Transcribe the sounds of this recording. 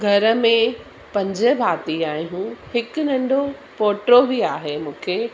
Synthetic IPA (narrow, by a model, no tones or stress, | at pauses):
ɡʱɐɾə̆mẽ | pɐ̃ɲd͡ʑəbʱaːt̪iaːiɦũhɪkʊnɐ̃ɳɖʱopoːʈobɪaːɦemũːkʰeː